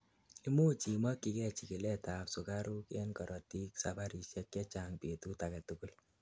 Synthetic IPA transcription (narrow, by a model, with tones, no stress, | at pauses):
i˦mo˦t͡ʃi˨ma˦kːi˧kɛ˦t͡ʃi˨ki˨lɛ˦ta˨psu˨ka˦ɾu˦ke˦nkɔ˨ɾɔti˦ksaba˦ɾi˨ʃjɛ˦k̚kɛ˦t͡ʃa˦ŋpe˨tu˦ta˨kɛ˨tu˨ku˦l